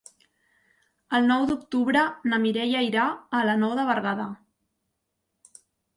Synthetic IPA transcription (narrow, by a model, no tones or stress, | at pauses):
əlˠnɔwd̪uk̚t̪uβɾənəmiɾɛjajɾaələnɔwðəβərɣaðə